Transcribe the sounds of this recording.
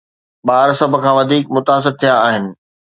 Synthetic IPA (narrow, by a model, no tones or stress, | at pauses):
ɓaːɾsɐb̆ʱkʰãːʋɐd̪ʱiːkmʊt̪aːs̬ɪɾt̪ʰijaːɦɪnɪ̆